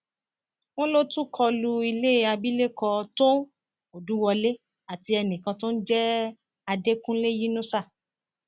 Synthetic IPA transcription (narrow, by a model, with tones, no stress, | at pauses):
w̃ɔ̃˦lo˦tũ˦kʰɔ˧lu˧i˧le˦a˧bi˦le˦kɔ˧to˦ | o˨dũ˦wɔ˧le˦ | a˨ti˧ɛ˧nĩ˨kã˧to˦n̩˦d͡ʒɛ˦ | a˧de˦kũ˦le˦ji˦nũ˦sa˦˨